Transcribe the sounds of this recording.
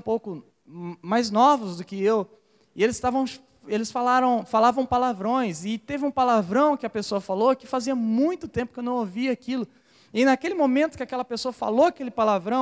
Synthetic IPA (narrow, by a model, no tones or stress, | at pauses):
powkʊ | majznɔvʊzd̪ʊkɪew | ɪelɪst̪avɐ̃w̃ | elɪsfalaɾɐ̃w̃falavɐ̃w̃palavɾõj̃sɪt̪evɪũpalavɾɐ̃w̃kɪɐpesoɐfalokɪfaziɐmũj̃t̪ʊt̪ẽpʊkewnɐ̃w̃oviakilʊ | ɪnakelɪmõmẽnt̪ʊkɪakɛlɐpesoɐfa̰loɐkelɪpalavɾɐ̃w̃